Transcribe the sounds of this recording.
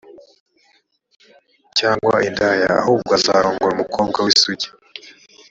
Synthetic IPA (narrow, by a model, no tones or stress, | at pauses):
caːŋɡwa̰ʔindaja̰a̰huːb̚ɡaza̰ːɾoːŋɡoɾumukʰo̞ːb̚ɡawisuɟi̥